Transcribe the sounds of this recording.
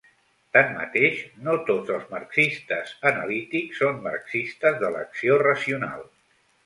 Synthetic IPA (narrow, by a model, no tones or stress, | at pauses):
t̪anːə̰t̪eʃnot̪od͡zəlˠzmərksist̪əzənə̰lit̪iksːonːə̰rksist̪əzðələ̰ksiorəziuna̰lˠ